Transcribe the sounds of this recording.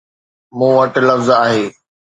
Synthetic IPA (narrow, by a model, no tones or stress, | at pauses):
mũːʋɐʈ̆lɐfzaːɦeː